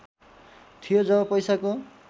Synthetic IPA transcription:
t̪ʰijod͡zʌbʌpʌjsako

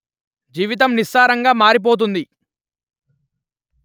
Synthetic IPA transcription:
d͡ʒiːʋit̪̬ɐmnisaːɾɐŋɡaːmaːɾip̬oːt̪̬und̪i

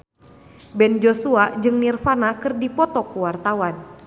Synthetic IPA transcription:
bɛnd͡ʒosuad͡ʒɨŋnirfanakɨrdipɔt̪ɔkuwart̪awan

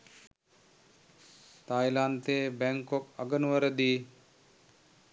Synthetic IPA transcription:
t̪ajlant̪eːbæŋkoka̰ɡənuʋəɾəd̪iː

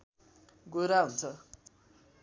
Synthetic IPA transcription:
ɡoɾaɦunt͡sʰʌ

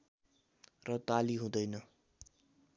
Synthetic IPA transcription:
rʌt̪aliɦũd̪ʌjnʌ

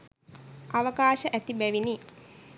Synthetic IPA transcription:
ʔaʋəkaːʃəʔæt̪ibæʋini

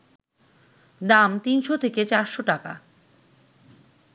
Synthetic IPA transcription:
d̪amt̪inʃot̪ʰeket͡ɕaɾʃoʈaka̰

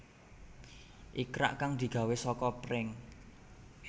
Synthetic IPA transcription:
ʔikɾa̰ʔkaŋd̪̥i̤ɡ̥a̤wesɔkɔpɾɪŋ

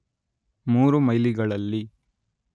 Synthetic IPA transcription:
muːɾumɐjliɡɐɭɐlːi

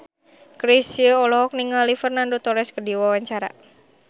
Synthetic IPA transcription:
kɾisiəɔlɔɦɔk̚niŋalifərnandot̪ɔɾɛskədiwawaɲt͡ʃaɾa̰

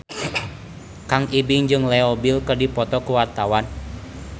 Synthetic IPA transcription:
kaŋibiŋd͡ʒɨŋlɛɔbilkɨrdipɔt̪ɔkuwart̪awan

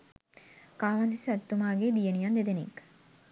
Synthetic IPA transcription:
kaːʋand̪isat̪ːumaːɡeːd̪ijenijɐnd̪ed̪enḭkː

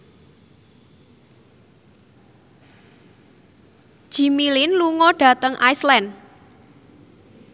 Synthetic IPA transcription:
ʒ̥i̤milɪnluŋɔɖ̥ä̤t̪əŋʔaislɛn

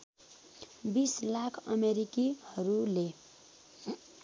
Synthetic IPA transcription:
bislakʰʌmeɾikihʌɾule

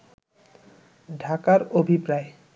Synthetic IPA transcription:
ɖʱakaɾobʱipɾae

